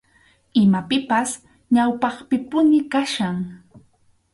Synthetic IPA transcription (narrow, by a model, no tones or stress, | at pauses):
ɪmapɪpas | ɲawpɑχpɪpʊnɪkaʃaŋ